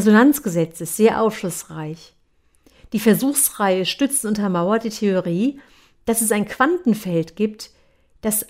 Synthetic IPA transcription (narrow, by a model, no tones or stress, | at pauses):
zonant͡sɡ̥əzɛt͡sɪstz̥eːɐʔa̰ʊfʃlʊsʁaɪç | d̥iːfɛɐzuːxsʁaɪəʃtʏt͡snʔʊntɐmaʊɐt̚d̥iːtʰeoʁiː | d̥asɛsaɪnkv̥antn̩fɛltɡ̥iːp̚t | d̥as